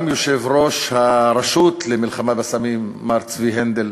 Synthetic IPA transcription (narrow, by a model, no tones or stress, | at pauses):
mjoʃevʁo̞ʃhaɾaʃut̪lemilχamabesamimːaʁt͡sviɦend̪el